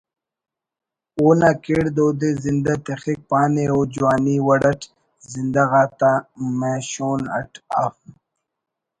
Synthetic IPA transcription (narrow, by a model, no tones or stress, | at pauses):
oːnakeɽd̪oːd̪ezind̪at̪exik̚paːneoːd͡ʑuwaːniwɐɽɐʈ | zind̪aɣaːt̪ameːɕoːnɐ̰ʈʰa̰f